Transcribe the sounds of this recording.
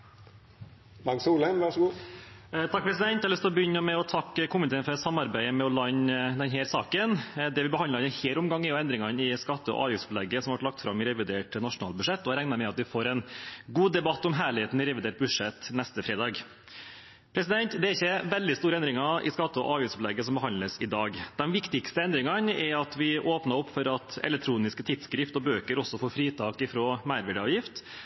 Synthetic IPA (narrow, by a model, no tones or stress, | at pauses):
d̪ɑɡsuːlɛnʋɑʂɡuː | t̪ʰɑk̚pʰɾɛs̬ɪd̪ɛnt̪ɛɑɾlʏst̪ɪlɔbəʏnːəmɛɔt̪ʰɑkːkʰʊmːɪnɪt̪ʰeːnfɔɾɛt̪sɑmːɑɾbæɪəmɛɔlɑɲːd̪ɛnɦæːɾsɑːkənd̪ɛʋɪbəhɑnlɾɑnɪheːɾʊmɡɑŋːɛjʊɛnd̪ɾɪŋɑnɪskɑt̪ːəɔ̰ʔɑ̰ːʋjʏftsplɛɡːəsɔmʋɑʈlɑk̚t̪fɾɑmɪɾɛʋɪd̪eːʈnɑʂʊnɑːlbʉʂɛt̪ːɔhɑɾæŋnɑmɛɑt̪ʋɪfoːɾɛnɡuːd̪ɛbɑt̪ːɔmɦæːɭɪheːt̪n̩ɪɾɛʋɪd̪eːʈ̚bʉʂɛt̪nɛst̪əfɾeːd̪ɑːɡ | pʰɾɛsɪd̪ɛnt̪d̪ɛæɾɪçːəʋɛld̪ɪst̪uːɾəɛnd̪ɾɪŋɑɪ̰skɑt̪ːəɔ̰ʔɑːʋjɪftspʊlɛɡːəsɔmbəɦɑnləsɪd̪ɑːɡd̪̥ɛmʋɪkt̪ɪkst̪əɛnd̪ɾɪŋɑnɛɾɑt̪ʋɪʔoːpnɑɾɔpːfɔɾɑt̪ɛ̰lɛk̚t̪ʰɾuːnɪskət̪ʰɪt̪skɾɪft̪ɔbøːkəɾɔsːɔfoːɾfɾiːt̪ʰɑːkɪfɾoːmæɪɾʋæɖəɑːʋjɪft̪